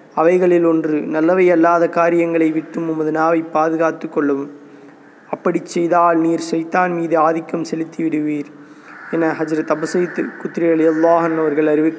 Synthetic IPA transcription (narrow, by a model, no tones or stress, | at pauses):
ɐʋɐɪɣɐɭɪlɔndrɯnɐlːɐʋɐɪɐlːaːðɐkaːɾɪjɐŋɡɐɭɐɪʋɪʈːɯmʊmbɐðɯnaːʋɐɪpːaːðɯɣaːt̪ːɯkːɔɭːɐʋɯm | ɐpːɐɽit͡ʃːɛjðaːlniːɾʃɐjt̪aːnmiːðɯaːðɪkːɐmsɛlɪt̪ːiʋɪɽɯʋiːɾ | ɛnːɐɦɐd͡ʒɾɐt̪ɐbɐsɐjt̪ːɯkʊt̪ːɾɪɾɐðɪjɐlˠːaːɦɐnːɐʋɐɾɣɐɭɐɾɪʋɯ